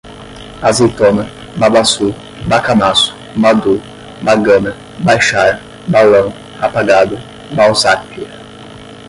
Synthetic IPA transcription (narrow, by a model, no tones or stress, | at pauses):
azit̪ɔmə | babasu | bakamasu̥ | bad̪u | baɡəmə | bajʃaɾ | balãŋ | apaɡad̪ʊ | bawzakːi